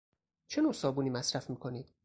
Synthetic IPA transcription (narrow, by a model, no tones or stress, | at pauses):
t͡ʃʰe̞nosɒːbuːniːmæsɾæfmiːkʰo̞niːd̪̥̚